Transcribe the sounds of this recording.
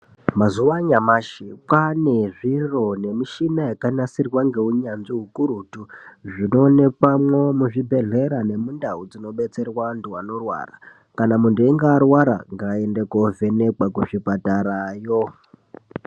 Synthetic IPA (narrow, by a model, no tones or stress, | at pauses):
mazuʋaɲamaʃipaneʐiro̞ne̞miʃinajakanasirwaŋɡe̞uɲanʐiɦukuɾutuʐino̞ne̞kamwomuʐibʱe̞ɮe̞ɾane̞mundaɦud͡zino̞ɓe̞t͡se̞rwanduwano̞rwa̰ra̰ | kanamundueŋɡaːrwaɾa̰ŋɡaendekove̞ne̞kwakuʐipataɾajo